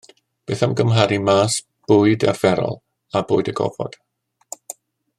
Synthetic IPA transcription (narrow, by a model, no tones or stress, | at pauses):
b̥eːθamɡəmɦaɾimaːs | b̥ʊːɨdarv̥ɛɾɔ̰lˠ | abʊːɨdəɡɔ̰vɔ̰d̥